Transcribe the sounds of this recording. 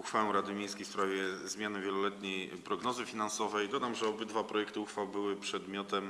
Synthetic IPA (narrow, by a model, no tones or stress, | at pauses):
uxfawɛw̃ɾad̪ɘmʲjẽjskʲejfspɾavʲjɛzmʲjanɘvʲjɛlɔlɛt̪ɲɛjpɾɔɡnɔzɘfʲinansɔvɛjd̪ɔd̪amʐɛɔbɘd̪vapɾɔjɛkt̪ɘuxfawbɘwɘpʂɛd̪mʲjɔt̪ɛm